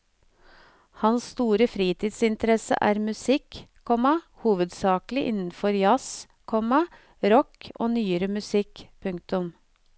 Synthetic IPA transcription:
hɑnsst̪uːɾəfɾiːt̪ʰiːd̪sɪnt̪əɾɛsə̰ʔæːɾmʉsɪkkʰɔmɑ | huːʋəd̪sɑːklɪʔɪnn̩fɔɾjɑs | kʰɔmɑ | ɾɔko̰ːnyːəɾəmʉsɪkpʰʉŋk̚t̪ʊm

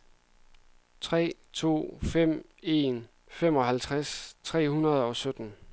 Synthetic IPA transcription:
t͡sʰʁɛ̰ːt͡sʰo̝̰ːfem̰ | e̝n | fem̰ɒ̽ɦælt͡sʰʁast͡sʰʁɛ̰ːhunɐð̞̩ˠɒ̽sød̥n̩

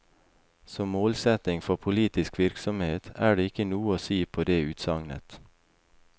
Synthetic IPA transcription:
sɔmːoːlsɛt̪nɪŋfɔpʰʊliːt̪ɪskʋɪɾksɔmheːt̪æːɖeːɪkənuːəoːsiːpʰoːd̪eːʉːt̪sɑŋnə̰t̪

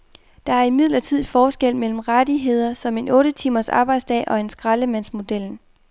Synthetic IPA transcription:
d̥ɑ̈æɐimið̰ˠlɐt͡sʰið̞̰ˠfɒːsɡ̥el̰mel̰m̩ʁad̥iɦe̝ð̞̰ˠɐsɒ̽me̝nɔ̽ːɾ̥ət͡sʰimɐsɑ̈ːb̥ɑ̈ɪd̥sd̥ɛ̰ːʔɒ̽e̝nsɡ̥ʁɑ̈ləmæn̰smo̝d̥el̰n

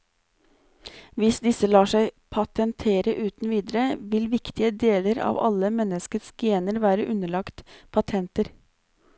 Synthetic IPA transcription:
ʋɪsd̪ɪsəlɑːʂæɪpʰɑt̪ənt̪ʰeːɾəʔʉːt̪nʋiːd̪əɾəʋɪlʋɪkt̪ɪəd̪eːləɾɑ̰ːʋɑ̰ləmɛnəskət̪sɡeːnəɾʋæːɾəʔʉnəɭɑkt̪pʰɑt̪ʰɛnt̪əɾ

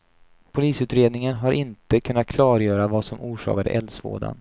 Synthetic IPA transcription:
pʰʊliːsʉ̟ːt̪ɾeːd̪nɪŋənɦaɾʔɪnt̪əkʰɵnːat̪̚kʰlɑːɾjœːɾavasɔmuːʂɑ̰ːkad̪ə̰ʔɛlsvo̰ːɖa̰n

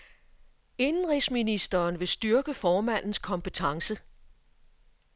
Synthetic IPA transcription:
e̝nn̩ʁisminisd̥ɐːnʋe̝sd̥yɐɡ̥əfɒːmæn̰n̩skʰɒ̽mpʰət͡sʰɑ̈ŋsə

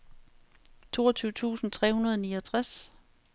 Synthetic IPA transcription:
t͡sʰo̝̰ːɐt͡sʰyːʊət͡sʰṵːsn̩t͡sʰʁɛhunɐð̞ˠɒniːɒt͡sʰʁas

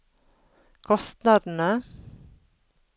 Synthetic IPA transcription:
kʰɔst̪nɑːd̪n̩ə

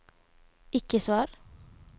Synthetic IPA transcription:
ɪkəsʋɑːɾ

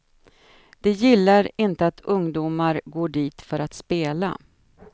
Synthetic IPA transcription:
d̪̥ɛjɪlːaɾɪnt̪əat̪ʰɵŋd̪uːmaɾɡoːɖiːt̪fœɾat̪speːla̰

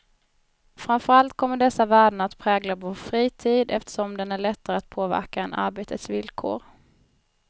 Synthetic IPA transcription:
fɾamfœɾalt̪kʰɔmːəɖɛsːavæːɖɳat̪pʰɾɛːɡlavoːɾfɾiːt̪ʰiːd̪ɛft̪ə̥ʂɔmd̪ɛnæɭɛt̪ːaɾəat̪̚pʰoːvæ̰ɾkaɛnʔa̰ɾbeːt̪ʰət̪svɪlkʰo̰ːɾ

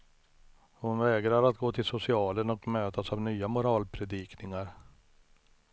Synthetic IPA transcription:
hʊnvɛːɡɾaɾat̪̚ɡoːt̪ʰɪlsʊsɪɑːlənɔkmøːt̪ʰasavnyːamʊɾɑːlpʰɾɛd̪iːknɪŋaɾ

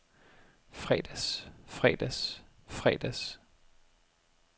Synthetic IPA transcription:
fʁɛ̰d̥æsfʁɛ̰d̥æsfʁɛ̰d̥æs

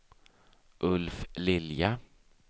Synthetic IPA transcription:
ʔɵlflɪlja

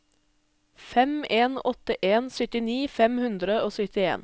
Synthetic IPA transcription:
fɛmeːnɔt̪əʔeːnsœt̪ɪniːfɛmhʉnd̪ɾəoːsœt̪ɪḛːn

